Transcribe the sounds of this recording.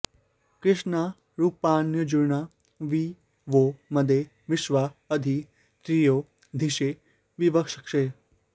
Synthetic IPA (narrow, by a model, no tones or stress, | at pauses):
kɾɪʃna | ɾuːpaːnjəd͡ʒuɾna | ʋi | ʋomɐd̪e | ʋɪʃʋaəd̪ʱi | t̪ɾijoː | d̪ʱiʃe | ʋiʋəkʂə̥kʃe